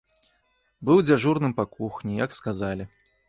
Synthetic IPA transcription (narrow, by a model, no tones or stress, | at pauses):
bɨwd͡zʲaʐurnɨmpakuxnʲijɐkskazalʲi